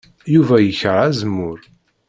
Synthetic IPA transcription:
juvæjəçəɾˤæzmːʊɾ

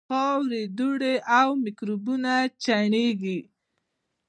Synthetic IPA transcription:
ɑwɾed̪uɽeʔawmɪkɾubunat͡ʃaɳeɡi

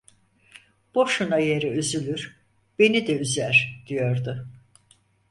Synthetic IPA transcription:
b̥o̞ʃunaje̞ɾiyzylʲyɾ | b̥e̞nid̪ɛyzæɾd̪̥ijo̞ɾd̪ʊ

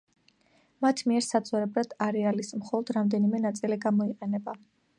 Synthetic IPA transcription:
mat̪ʰmiɛɾsad̪zʼɔɾɛbɾad̪̥aɾɛalismχɔlˠɔd̪̥ɾamd̪ɛnimɛnat̪sʼiliɡamɔiqʼɛnɛba

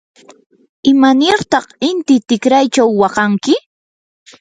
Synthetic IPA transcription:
ɪmanɪɾt̪ɑχɪnt̪ɪt̪ɪkɾajt͡ʃawːɑqɑŋkɪ

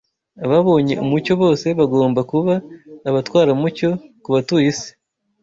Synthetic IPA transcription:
aβaβo̞ːɲe̞̰ʔṵmuco̞βo̞ːse̞βaɡo̞ːmbakuβaːβatwaːɾamuco̞kuβatujise̥

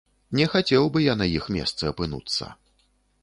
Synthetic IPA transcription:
nʲɛxat͡sʲɛwbɨjanɐjixmʲɛ̰st̪sɨɐpɨnṵt̪sːɐ̰

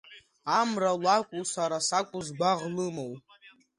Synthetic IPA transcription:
amralakʷʼusaɾasakʷʼuzɡʷaʁlɨmowʼ

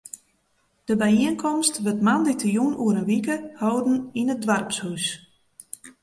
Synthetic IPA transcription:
d̥əbɛjiənkʰɔmstʋətmanditʰəjunuəɾənʋikəhowdn̩inədʋarpshus

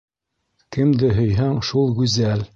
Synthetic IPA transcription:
kɘ̆md̪ɘɦɵ̆jɦɑŋʃulˠɡʉzæl

